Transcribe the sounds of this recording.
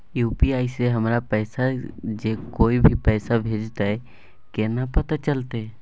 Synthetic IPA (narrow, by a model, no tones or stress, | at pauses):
juːpiaːiseɦɐmɾapɛːsad͡ʒekoːibʱipɛːsabʱeːd͡ʒt̪aɦɛ | keːnapɐt̪at͡ʃɐlt̪e